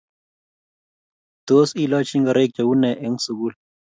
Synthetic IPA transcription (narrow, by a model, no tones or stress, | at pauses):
d̪̥oːsiːlaːt͡ɕiŋɡɐɾek̚t͡ɕɐwunːeʔeŋsuɡul